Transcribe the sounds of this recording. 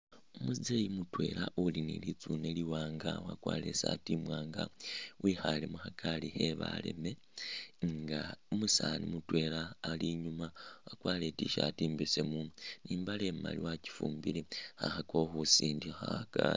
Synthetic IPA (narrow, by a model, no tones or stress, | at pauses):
omuzizejimutwe̞̰laʔulinḭlit͡sune̞liwaːŋɡawakwa̰ːle̞sa̰timwaːŋɡawixalemuxakʰalixeβa̰le̞̰me̞ | ŋɡaomusanimutwe̞laːliɲumawakwaːle̞tiʃa̰tiːmbisemuniːmbale̞ma̰liwaci̥fuːmbilexa̰xako̞xusiːndixaka